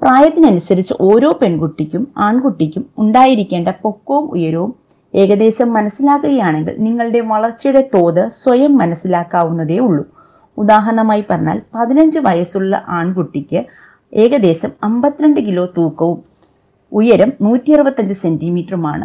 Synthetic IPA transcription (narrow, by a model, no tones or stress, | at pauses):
praːjɐt̪ːinɨɐnusɐɾit͡ɕːɨ̰ʔo̞ːɾo̞ːpe̞ɳkuʈːikʲːumaːɳkuʈːikʲːumuɳɖaːjiɾikʲːe̞ːɳɖɐpo̞kːoːumṵjɐɾuʋum | e̞ːɡɐd̪e̞ːɕɐmːɐnɐsːilaːkːuɣɐjaːɳe̞ŋɡḭɭniŋːɐɭɨɽe̞ʋɐɭɐrt͡ɕːijuɽe̞t̪o̞ːðɨswɐjɐmːɐnɐsːilaːkːaːʋunːɐðe̞ːuɭːu | ud̪aːɦɐɐɳɐmaːjipɐrɐɲːa̰ːlpɐðinɐɲd͡ʑɨʋɐjɐsuɭːɐ̰ʔaːɳkuʈːikʲːɨ | e̞ːɣɐd̪e̞ːɕɐmɐmbɐt̪ːiɾɐɳɖɨk̬ilo̞ːt̪uːkːɐʋum | ujɐɾɐmnuːtːijirɨbɐt̪ːɐɲd͡ʑɨse̞ndimiːʈruma̰ːɳɨ̰